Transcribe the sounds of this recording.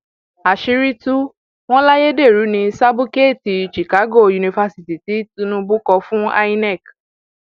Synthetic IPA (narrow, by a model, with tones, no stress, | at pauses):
a˨ʃi˧ɾi˦tu˦ | w̃ɔ̃˦la˦je˦de˦˨ɾu˨˦nĩ˧sa˦bu˦ke˦˨ti˨ʃi˨ka˨˦ɡo˦˨ju˧nĩ˧fa˧si˨ti˨ti˨˦tũ˧nũ˧˦bu˦kɔ˧fũ˦a̰˦i˦nɛ˦˨k